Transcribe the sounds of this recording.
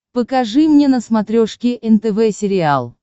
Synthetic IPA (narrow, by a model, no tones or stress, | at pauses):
pəkɐʐɨmnʲenəsmɐt̪ɾʲoʂkʲɪʔɛnt̪ɛvɛsʲɪɾʲɪalˠ